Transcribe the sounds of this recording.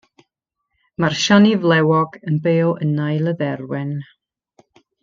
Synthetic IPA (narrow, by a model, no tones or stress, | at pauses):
marʃɔnivlˠɛwɔɡənbeːlˠənajləðɛrwɛn